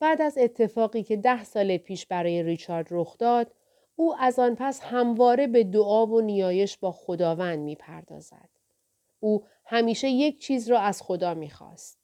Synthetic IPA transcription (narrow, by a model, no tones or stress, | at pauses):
b̥æːd̪æze̞t̪ʰːe̞fɒːɣiːcʰe̞d̪æhsɒːlepʰiːʃbæɾɒːje̞ɾit͡ʃʰɒɾd̪roxd̪̥ɒːd̪̥ | uːʔæzɒːnpʰæshæmvɒːɾe̞be̞d̪oʔɒːvo̞nijɒːje̞ʃbɒːxo̞d̪ɒːvænd̪miːpʰæ̰ɾd̪ɒ̰ːz̥æ̰d̪̥ | uː | hæmiːʃe̞je̞cʰt͡ʃʰiːzɾɒːæz̥xo̞d̪ɒːmiːxɒ̰ːst̪̚